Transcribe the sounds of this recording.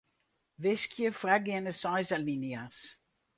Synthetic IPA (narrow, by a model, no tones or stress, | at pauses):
vɪskʰjəfraɡɛnəsɑjzalinias